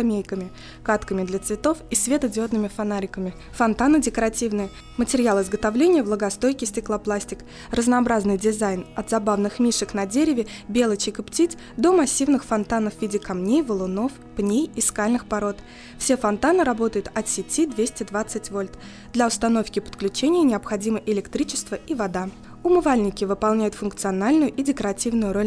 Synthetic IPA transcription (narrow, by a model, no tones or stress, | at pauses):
ɐmʲejkəmʲɪ | kat̪kəmʲɪd̪lʲət̪svʲɪt̪o̞fisvʲe̞t̪ədʲot̪nɨmʲɪfɐnaɾʲɪkəmʲɪ | fɐnt̪anɨdʲɪkəɾatʲivnɨjə | mətʲɪɾʲɪjalˠɨzɡət̪avlʲenʲɪjəvlˠəɡɐst̪o̞jkʲɪsʲtʲɪklˠaplˠasʲtʲɪk | rəznɐɐbɾaznɨjdʲɪzajnɐt̪zɐbavnɨxmʲiʂɨknɐdʲeɾʲɪvʲɪbʲelˠət͡ɕɪkɨptʲit̪ʲ | d̪o̞mɐsʲːivnɨxfɐnt̪anəfvʲidʲɪkɐmnʲejvəlˠʊno̞f | pnʲejiskalʲnɨxpɐɾo̞t̪ | fsʲe̞fɐnt̪anɨɾɐbo̞t̪əjʊt̪ɐt̪sʲɪtʲid̪vʲesʲtʲɪd̪vat̪sɨtʲvo̞lʲt̪ | d̪lʲɐʊst̪ɐno̞fkʲɪpə̥t̪klʲʉt͡ɕenʲɪjənʲɪəpxɐdʲiməʔɪlʲɪkt̪ɾʲit͡ɕɪ̥st̪vəivɐd̪a | ʊmɨvalʲnʲɪkʲɪvɨpɐlˠnʲæjʊt̪fʊnk̚t̪sɨɐnalʲnʊjʊʔidʲɪkəɾɐtʲivnʊjʊɾo̞lʲ